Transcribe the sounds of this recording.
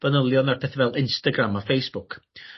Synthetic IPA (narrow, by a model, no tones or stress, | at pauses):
v̥ənəlˠjɔnarpʰɛθavɛlˠɪnstaɡramafejsb̥ʊkʰ